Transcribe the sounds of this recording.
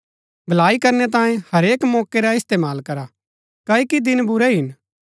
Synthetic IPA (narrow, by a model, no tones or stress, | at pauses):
bʱɐlaːikɐɾnɛt̪̬ãːẽhɐɾeːkmɔːkeɾaɪst̪eːmaːlkɐɾa | kaːikid̪ɪnbʊɾɛɦɪn